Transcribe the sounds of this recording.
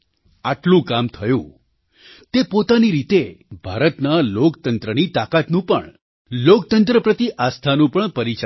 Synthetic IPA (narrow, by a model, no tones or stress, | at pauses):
aʈlũkamt̪ʰəjṵ̃ | t̪epot̪aniɾit̪ebʱaɾət̪nalokt̪ənt̪ɾənit̪akat̪nũpəɳ | lokt̪ənt̪ɾəpɾət̪iʔast̪ʰanũpəɳpəɾit͡ʃa